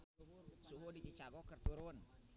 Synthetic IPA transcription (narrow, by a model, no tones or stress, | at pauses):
suɦʊdit͡ʃit͡ʃaɡɔkərt̪uɾʊn